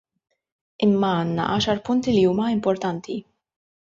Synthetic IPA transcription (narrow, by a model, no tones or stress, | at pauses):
ɪmːɐɐːnːɐ̰ʔɐːʃɐɾpʊnt̪iliuːmɐɪmpɔɾt̪ɐnt̪ʰi